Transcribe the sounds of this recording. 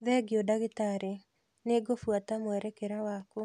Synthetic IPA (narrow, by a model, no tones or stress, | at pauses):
ðɛɡeodaɣetaɾe | neɡofwatamwɛɾɛkeɾawako